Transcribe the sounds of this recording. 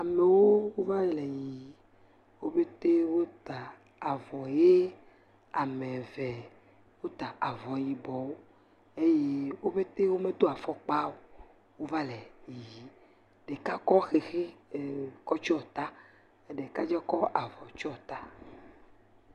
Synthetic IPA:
a˨me˨wo˦wo˦va˦˨lɛ˨ji˨ | wo˦be˦t̪e˦wo˦t̪a˨ | a˨vɔ˨je˦ | a˨mẽ˨vɛ˨ | wo˦t̪a˨a˨vɔ˨ji˨bɔ˨wo˦ | e˦je˦wo˦be˦t̪e˦wo˦mẽ˦d̪o˦a˨fɔ˦k͡pa˦wo˨ | wo˦va˦lɛ˨ji˨ji˨ | ɖe˨ka˦kɔ˦xe˨xe˦˨ | kɔ˦t͡ʃɔ˦t̪a˦ | e˨ɖe˨ka˦d͡ʒɛ˦kɔ˦ʔa˨vɔ˨t͡ʃɔ˦t̪a˦

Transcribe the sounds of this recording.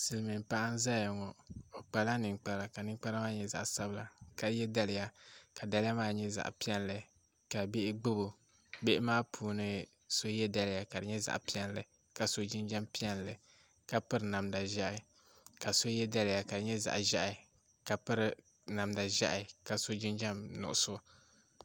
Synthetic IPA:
sɨ˨lmɨ˨m˨pa˦ʔa˦n˦za˦ja˨ŋɔ˨o˨k͡pa˨la˦nɨ˨ŋk͡pa˨ɾa˨ka˨nɨ˦ŋ˦k͡pa˦ɾa˦maː˦ɲɛ˦za̰˨ʔsa˦bla˨ka˨˦jɛ˦da˦lɪ˨ja˦ka˨da˦lɪ˦a˦maː˦ɲɛ˦za̰˨ʔpi˦ɛ˦n˨lɨ˨ | ka˨be˦ʔɪ˦ɡ͡bɨ˦bo˨ | be˦ʔɪ˦maː˦pʰuː˨nɨ˦ | so˦jɛ˦da˦lɪ˨ja˨ka˨dɨ˨ɲɛ˦za̰˨ʔpi˦ɛ˦n˦lɨ˨ | ka˨so˦d͡ʒi˦nd͡ʒa˦mpi˦ɛ˦n˨lɨ˨ | ka˨pɨ˦ɾɨ˨na˨mda˨ʒa˦ʔa˨˦ | ka˨so˦jɛ˦da˦lɪ˨ja˨ka˨dɨ˨ɲɛ˦za̰˨ʔʒa̰˦ʔa˨ | ka˨pɨ˦ɾɨ˨ | na˨mda˨ʒa̰˦ʔa˨ka˨so˦d͡ʒi˦nd͡ʒa˦mnʊ̰˨ʔʊ˨so˦

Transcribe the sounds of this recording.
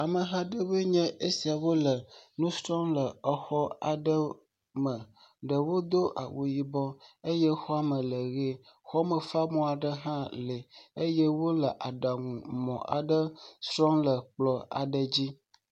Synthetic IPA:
a˨mə˨ɦa˦ɖə˦bə˦ɲɛ̃˦ʔe˦si˨a˨wo˦lə˨nũ˦sɾɔ̃˦mlə˨ə˨xɔ˦a̰˨ɖə˦ | mə̃˨ | ɖə˨wo˦d̪o˦ʔa̰˨wʔo˨ji˦bɔ˦e˦jɛ˦xɔ˦a˦mə̃˨lə˨ɣe˦ | xɔ˦mə˨fa˦mɔ̃˦a˨ɖə˦ɦã˦le˨e˦jɛ˦wo˦lə˨ʔa˨ɖa˨ŋũ˨mɔ̰̃˨ʔa̰˨ɖə˦sɾɔ̃˦mlə˨k͡plɔ˨a̰˨ɖə˨d͡ʑi˦

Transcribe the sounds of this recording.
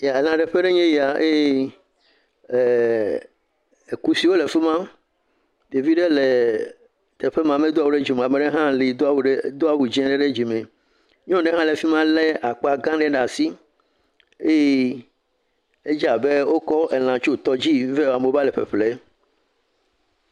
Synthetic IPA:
ja˨e˨lã˨ɖe˨ɸe˦ɖe˦ɲɛ̃˦ji˦a˨ʔe˦e˦˨ | e˨ku˦si˦wo˦le˨fe˦mã˦ | d̪e˨vi˦ɖe˦le˨ | t̪ɛ˨ɸe˦mã˨me˦d̪o˦a˨wo˨ɖe˦d͡ʑi˨m̃˨a˨me˨ɖe˦ɦã˦li˨d̪o˦wɖd̪o˦a˨wu˨d͡ʑɛ̃˦ɖe˦ɖe˦d͡ʑi˨mẽ˨ | ɲɔ̃˦ɖe˦ɦã˦le˨fi˦mã˦le˦a˨k͡pa˨ɡã˦ɖe˦ɖa˨si˦ | e˦je˦ | e˦d͡ʒa˨be˦wo˦kɔ˦ʔe˨l̃ã˨t͡ʃo˦˨t̪ɔ˦d͡ʑi˦ve˦˨a˨me˨va˦le˨ɸḛ˨ɸle˦

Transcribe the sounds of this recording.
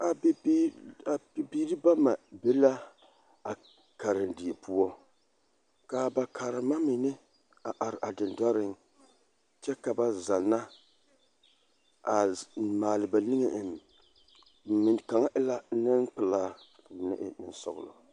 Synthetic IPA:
a˨ba˨bi˦biː˦ɾɨ˦ba˦ma˨bɛ˦la˦ | a˨ | ka˨ɾɨ˨ndi˨e˨pu˦ɔ˦ | ka˨ba˨kʰa˨ɾɨ˨ma˦mi˨nɨ˦ | a˨ʔa˨ɾʔa˨dɨ˨nda˦ɾɪ˦ŋ | t͡ʃɛ˦ka˨ba˦za˨nːa˦ | a˨maː˨lɨ˨ba˨nɨ˦ŋe˦˨ʔɪ˨m˨˦ | mi˨nka˨ŋa˦ʔɪ˦la˦nɨ˦npɨ˨laː˦˨ | nɪ̰˦ʔɪ̰˦nɨ˨nsɔ̰˨ɡʊ̰˨lo̰˨

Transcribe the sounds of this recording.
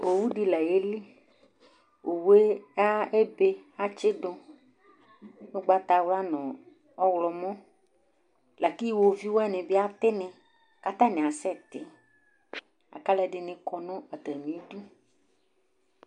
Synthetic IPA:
o˨wu˦ɖi˨lɛ˨je˦li˦ | o˨we˦a˦e˦be˦a˦t͡ʃe˦dɔ˦ | ne˦ɡ͡ba˨t̪a˨wla˦nɔ̃˨ | ɔ˦wlɔ˨mɔ̃˦ | la˨ki˦˨wo˨vi˦wo˦a˦nẽ˨be˦a˦t̪e˦nɛ̃˨ | ka˨t̪ã˦nɛ̃˨a˨sɛ˦t̪ɪ˨ | a̰˨ka˦lɛ˨ɖɪ˨nẽ˨kɔ˨nɔ̃˦a˨t̪ɾɛ˨mĩ˨i˦du˦

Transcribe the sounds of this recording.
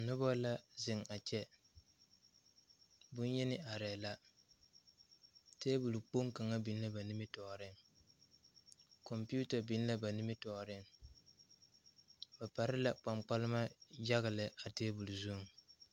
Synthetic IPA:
nʊ˦bɔ˦la˦zɪ˨ŋa˨t͡ʃɛ˦ | bʊ˦n˦jɛ˦nɪ˦ʔa˨ɾɛː˨la˦ | teː˦bu˨lu˨k͡po˦ŋ˦ka˨ŋa˦bi˨n˦la˦ba˨nɪ˦mɪ˦tɔ˨ɾɪ˦ŋ | kɔ˨mpi˦u˦ta˨bi˦n˦la˦ba˨nɪ˦mɪ˦tɔ˨ɾɪ˦ŋ | ba˨pa˨ɾɪ˦la˨k͡pa˨ŋ͡mk͡pa˦lɪ˦ma˦d͡ʒa˦ɣɪ˨lɪ˨a˨teː˦bu˨lu˨zu˦˨

